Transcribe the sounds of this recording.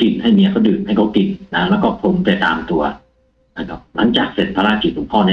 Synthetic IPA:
ki˨˩nha˥˩jmi˧˥ɐ˧˩kʰa˦˥wdɯː˨˩t̪̚ha˥˩jkʰa˦˥wki˨˩nna˦˥lɛː˦˥kɔː˥˩pʰo˨˧˦mt͡ɕa˧˩t̪a̰ː˧mt̪u˧ɐ | na˥˧˩kʰa˦˥p̚la˧˦ŋt͡ɕaː˨˩k̚se˨˩t̪̚pʰa˧laː˧˥ki˨˩t̪̚hu˨˩˦ŋpʰɔː˥˩ni˦˥

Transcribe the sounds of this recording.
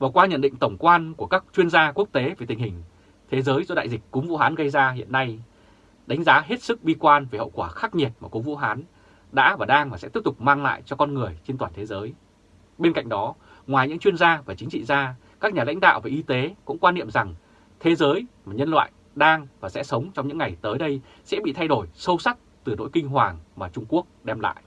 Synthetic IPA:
vaː˨˩kwaː˧ɲə̰˧˨nɗḭ˧˨ŋ̟t̪ə˧˩wŋ͡mkwaː˧nku˧˩əkaː˦˥k̚t͡ɕwi˧ənzaː˧ku˦˥ək̚t̪e˨˦ve˨˩t̪ï˨˩ŋ̟hï˨˩ŋ̟ | t̪ʰe˨˦zəː˨˦jzɔ˧ɗa̰ː˧˨jzï˨˩k̟̚kʊ˨˦ŋ͡mvṵ˧˥ɦaː˨˦nɣə˧jzaː˧ɦḭ˧˨ənːa˧j | ɗa˨˦ŋ̟zaː˨˦ɦe˦˥t̚sɨ˦˥k̚ɓi˧kwaː˧nve˨˩hə̰˧˨wkwaː˧˩xaː˦˥k̚ɲi˨˩ət̚maː˨˩ku˨˦ŋ͡mvṵ˧˥ɦaː˨˦n | ɗa̰ː˧˥vaː˨˩ɗaː˧ŋvaː˨˩sɛ̰˧˥i˦˥p̚t̪ʊ˨˩k͡p̚maː˧ŋla̰ː˧˨jt͡ɕɔ˧kɔ˧nŋɨ˨˩əjt͡ɕe˧nt̪waː˨˩nt̪ʰe˨˦zəː˨˦j | ɓe˧nka̰˧˨jŋ̟ɗɔ˨˦ | ŋwaː˨˩jɲɨ̰˧˥ŋt͡ɕwi˧ənzaː˧vaː˨˩t͡ɕï˨˦ŋ̟t͡ɕḭ˧˨zaː˧ | kaː˦˥k̚ɲaː˨˩la̰˧˥jŋ̟ɗa̰ː˧˨wvaː˨˩ʔi˧t̪e˨˦kʊ̰˧˥ŋ͡mkwaː˧nːḭ˧˨əmza˨˩ŋ | t̪ʰe˨˦zəː˨˦jmaː˨˩ɲə˧nlwa̰ː˧˨j | ɗaː˧ŋvaː˨˩sɛ̰˧˥sə˨˦wŋ͡mt͡ɕɔ˧wŋ͡mɲɨ̰˧˥ŋːa˨˩jt̪əː˨˦jɗə˧j | sɛ̰˧˥ɓḭ˧˨t̪ʰa˧jɗo˧˩jsə˧wsa˦˥k̚t̪ɨ˨˩no̰˧˥jkï˧ŋ̟ɦwaː˨˩ŋmaː˨˩t͡ɕʊ˧ŋ͡mku˦˥ək̚ɗɛ˧mla̰ː˧˨jʔ

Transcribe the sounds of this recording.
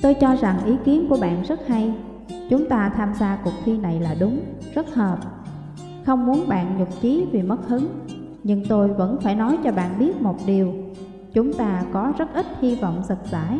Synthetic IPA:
t̪o˧jt͡ɕɔ˧za˨˩ŋʔi˨˦ki˨˦ənku˧˩əɓa̰ː˧˨nzə˦˥t̚ha˧j | t͡ɕʊ˨˦ŋ͡mt̪aː˧t̪ʰaː˧mzaː˧kʊ˨˩k͡p̚xi˧na˨˩jlaː˨˩ɗʊ˨˦ŋ͡mz̥ə˦˥t̚həː˨˩p̚ | xə˧wŋ͡mmu˨˦ənɓa̰ː˧˨nɲʊ˨˩k͡p̚t͡ɕi˨˦vi˨˩mə˦˥t̚hɨ˨˦ŋ | ɲɨ˧ŋt̪o˧jvə̰˧˥nfaː˧˩jnɔ˨˦jt͡ɕɔ˧ɓa̰ː˧˨nɓi˦˥ət̚mo˨˩t̚ɗi˨˩əw | t͡ɕʊ˨˦ŋ͡mt̪aː˧kɔ˨˦zə˦˥t̚ʔï˦˥t̚hi˧vɔ̰˧˨wŋ͡mzə˨˩t̚z̥a̰ː˧˩˨j

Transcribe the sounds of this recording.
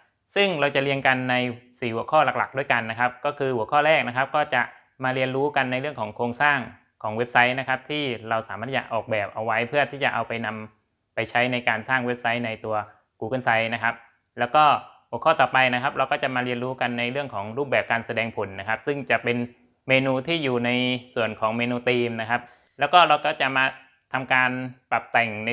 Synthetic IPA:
sɯ˥˩ŋɾa˧wt͡ɕa˨˩ʔli˧ənka˧nːa˧jsiː˨˩hu˩˦kʰɔː˥˩la˨˩k̚la˨˩k̚du˥˩jka˧nːa˦˥kʰa˦˥p̚kɔː˥˩kʰɯː˧hu˨˩˦əkʰɔː˥˩ɾɛː˥˩k̚na˦˥kʰa˦˥p̚kɔː˥˩t͡ɕa˨˩ʔ | maː˧ɾi˧ənɾuː˦˥ka˧nːa˧jɾɯ˥˩əŋkʰɔː˩˦ŋkʰoː˧ŋsaː˥˩ŋ | kʰɔː˩˦ŋwe˦˥p̚sa˦˥jna˦˥kʰa˦˥p̚t̪ʰiː˥˩ɾa˧wsaː˩˦maː˥˩t̪ʰːt͡ɕa˨˩ʔɔː˨˩k̚bɛː˨˩p̚ʔa˧wːa˦˥jpʰɯ˥˩ɐt̪ʰiː˥˩t͡ɕa˨˩ʔa˧wpa˧jna˧m | pa˧jt͡ɕʰa˦˥jna˧jkaː˧nsaː˥˩ŋwe˦˥p̚sa˦˥jna˧jt̪u˧ɐ | kuː˧˩ka˧˥˩nsa˦˥jna˦˥kʰa˦˥p̚ | lɛː˦˥wkɔː˥˩bu˨˩kʰɔː˥˩t̪ɔː˨˩pa˧jna˦˥kʰa˦˥p̚ɾa˧wkɔː˥˩t͡ɕa˨˩maː˧ɾi˧nɾuː˦˥ka˧nːa˧jɾɯ˥˩əŋkʰɔː˩˦ŋɾuː˥˩p̚bɛː˨˩p̚kaː˧nsa˧dɛː˧ŋpʰo˩˦nːa˦˥kʰa˦˥p̚sɯ˥˩ŋt͡ɕa˨˩ʔpe˧n | meː˧nuː˧t̪ʰiː˥˩juː˨˩na˧jsu˨˩ənkʰɔː˩˦ŋmeː˧nuː˧t̪iː˧mna˦˥kʰa˦˥p̚ | lɛː˦˥wkɔː˥˩ɾa˧wkɔː˥˩t͡ɕa˨˩maː˧ | t̪ʰa˧mkaː˧npa˨˩p̚t̪ɛ˨˩ŋn˧

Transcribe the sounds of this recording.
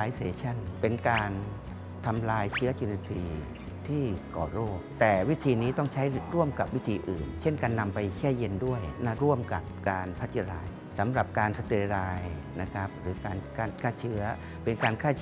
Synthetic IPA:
aː˧jseː˨˦t͡ɕʰa˥˩npe˧nkaː˧n | t̪ʰa˧mlaː˧jt͡ɕʰɯː˦˥ɐt͡ɕuː˧ni˧siː˧ | t̪ʰiː˥˩kɔ̰ː˨˩ɾoː˥˩k̚t̪ɛː˨˩wi˦˥t̪ʰiː˧niː˦˥t̪ɔ˥˩ŋt͡ɕʰa˦˥jɾu˥˩əmka˨˩p̚wi˦˥t̪ʰiː˧ʔɯː˨˩nt͡ɕʰe˥˩nka˧nːa˧mpa˧jkʰɛː˥˩je˧ndu˥˩əjna˦˥˩ɾu˥˩əmka˨˩p̚kaː˧npʰa˦˥t̪̚t͡ɕʰa˧ɾaː˧j | sa˩˦mɾa˨˩p̚kaː˧nsa˧t̪iː˧˩ɾaː˧j | na˦˥kʰa˦˥p̚ɾɯː˩˦kaː˧nkaː˧nkʰaː˥˩t͡ɕʰɯ˦˥ɐ | pe˧nkaː˧nkʰaː˥˩

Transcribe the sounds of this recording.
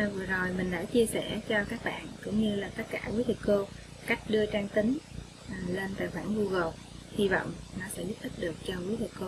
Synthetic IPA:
vɨ˨˩əzo˨˩jmï˨˩ŋ̟ɗa̰ː˧˥t͡ɕi˧əsɛ̰˧˩t͡ɕɔ˧kaː˦˥k̚ɓa̰ː˧˨nkʊ̰˧˥ŋ͡mɲɨ˧laː˨˩t̪ə˦˥t̚kaː˧˩ki˨˦t̪ʰɨ˨˩k̚ko˧ | ka˦˥jk̟̚ɗɨ˧ət͡ɕaː˧ŋt̪ï˨˦ŋ | ʔːle˧nt̪a̰ː˧˨jxwaː˧˩nvu˧ɣo˨˩hi˧vɔ̰˧˨wŋ͡mnɔ˨˦sɛ̰˧˥zu˦˥p̚t̪ʰi˦˥p̚ɗɨ˨˩ək̚t͡ɕɔ˧ki˨˦t̪ʰi˨˩ko˧

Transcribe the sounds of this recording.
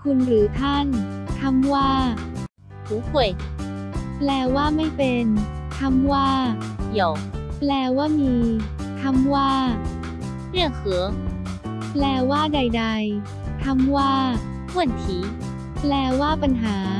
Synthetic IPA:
kʰu˧nɾɯː˩˦t̪ʰa˥˩nt̪ʰa˧˥mwaː˥˩ | hʰuː˨˦kʰu˧˩əj | plɛː˧waː˥˩ma˥˩jpe˧n | t̪ʰa˧˥mwaː˥˩ | ji˩˦wplɛː˧waː˥˩miː˧t̪ʰa˧mwaː˥˩ | ɾɯ˥˩əŋhɯ˩˦ | plɛː˧waː˥˩da˧jda˧j | t̪ʰa˧˥mwaː˥˩ | wu˥˩ənt̪ʰiː˨˦ | plɛː˧waː˥˩pa˧nɦaː˩˦

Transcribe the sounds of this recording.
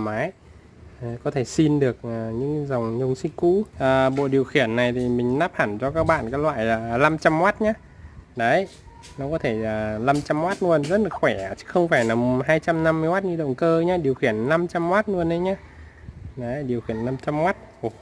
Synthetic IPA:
maː˨˦j | kɔ˨˦t̪ʰe˧˩si˧nɗɨ˨˩ək̚ʔaː˨˩ɲɨ̰˧˥ŋza˨˩wŋ͡mɲə˧wŋ͡msi˧ŋkṵ˧˥ʔəː˨˩ɓo̰˧˨ɗi˨˩əwxi˧˩ənːa˨˩jt̪ʰi˨˩mï˨˩ŋ̟naː˦˥p̚ha˧˩nt͡ɕɔ˧kaː˦˥k̚ɓa̰ː˧˨nkaː˨˦jlwa̰ː˧˨jaː˨˩la˧mt͡ɕa˧mwaː˦˥t̚ɲaː˧ | ɗə˨˦j | nɔ˨˦kɔ˨˦t̪ʰe˧˩laː˨˩la˧mt͡ɕa˧mːwaː˦˥t̚nu˧ənzə˦˥t̚lɨ˨˩ə˩xwɛ˧˩˨t͡ɕɨ̥˧˦˥xə˧wŋ͡mfaː˧˩jnaː˨˩ɦaː˧jt͡ɕa˧mna˧mːɨ˧jwaː˦˥t̚ɲɨ˧ɗə̰˧˨wŋ͡mkəː˧ɲaː˧ɗi˨˩əwxi˧˩ənːa˧mt͡ɕa˧mːaː˦˥t̚nɨ˧ənɗə˨˦jɲaː˧ | ɗə˨˦jɗi˨˩əwxi˧˩ənːa˧mt͡ɕa˧mːwaː˦˥t̚ʔo˧˩

